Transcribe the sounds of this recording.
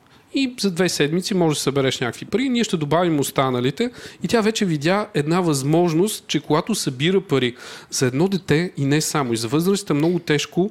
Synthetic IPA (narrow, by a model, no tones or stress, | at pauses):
izɐd̪vɛsɛd̪mit̪simɔʒɛd̪ɐsɐbɛɾɛʃnʲakvipəɾiniɛʃt̪ɛd̪obavimost̪anəlit̪ɛit̪ʲavɛt͡ʃɛvid̪ʲjaɛd̪navɐzmɔʒnost̪̚t͡ʃɛkoɡat̪ʊsɐbiɾəpɐɾiz̥ɐɛd̪nɔd̪ɛt̪ɛinɛsamoizɐvɤzɾəsi̥t̪əmnɔɡʊt̪ɛʃko